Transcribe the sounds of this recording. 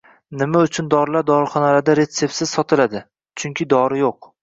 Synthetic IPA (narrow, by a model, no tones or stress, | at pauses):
nɪmaʊt͡ʃʰʊnd̪ɒɾlaɾd̪ɒɾɪχɒnalad̪aɾe̞t̪se̞p̚tsɪz̥sɒt̪ʰɪlad̪ɪ | t͡ʃʰʊŋkʲʰɪd̪ɒɾɪjoq̚